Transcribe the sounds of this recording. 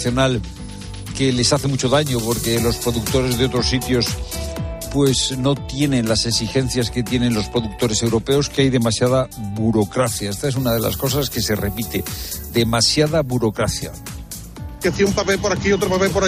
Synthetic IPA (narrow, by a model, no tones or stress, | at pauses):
θjo̞nal | ke̞le̞saθe̞mut͡ʃo̞ðaɲopo̞ɾke̞lo̞spɾo̞ðuk̚t̪o̞ɾe̞zðeo̞t̪ɾo̞sːit̪jo̞s | pwe̞sno̞t̪je̞nẽ̞nlase̞ksixe̞nθjaske̞t̪je̞ne̞nlo̞spɾo̞ðuk̚t̪o̞ɾese̞wɾo̞pe̞o̞skeajðemasjaðaβuɾo̞kɾaθjaest̪aesunaðe̞la̰sko̞s̬aske̞se̞re̞pit̪e̞ðe̞masjaðaβuɾo̞kɾaθja̰ | kaθiaumpapepoɾakiot̪ɾopapepoɾa